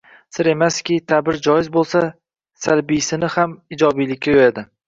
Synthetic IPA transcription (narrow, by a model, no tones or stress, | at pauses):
sɪɾe̞maskʲɪt̪ʰabɪɾd͡ʒɒjɪzbolˠsa | salbijsɪnɪhamɪd͡ʒɒbijlɪkʲːajojad̪ɪ